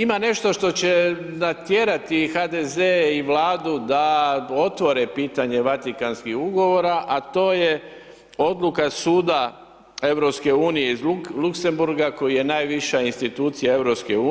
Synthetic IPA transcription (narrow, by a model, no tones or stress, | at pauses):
imane̞ʃt̪o̞ʃt̪o̞t͡ɕe̞nat̪jeɾat̪ixad̪ezeiʋlaːd̪ud̪ao̞t̪ʋo̞ɾepiːt̪aɲe̞ʋat̪ikanskihuɡo̞ʋo̞ɾaʔat̪o̞ːje | o̞d̪lukasuːd̪a | e̞ʋɾopske̞uːnijeizlukse̞mbuɾɡako̞jije̞naːjʋiʃainst̪it̪uːt̪sijae̞ʋɾopskeu